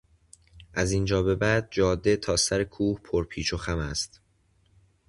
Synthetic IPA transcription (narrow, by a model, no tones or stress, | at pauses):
ʔæzind͡ʒɒːbe̞bæːd̪̚d͡ʒɒːd̪ːe̞t̪ʰɒːsæɾekʰuːhpʰoɾpʰiːt͡ʃʰoxæmæst̪